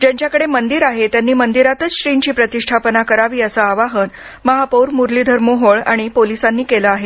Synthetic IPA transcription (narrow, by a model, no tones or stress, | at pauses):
d͡ʑjaɲt͡ɕjakəɽemənd̪iɾaɦet̪janːiːmənd̪iɾat̪ət͡sɕɾiɲt͡ɕiːpɾət̪iʂʈʰapənakəɾaʋiːəsəaʋaɦən | məɦapəwɾmuɾliːd̪ʱəɾmoɦoɭa̰ɽ̃ipolisanːiːkeləaɦe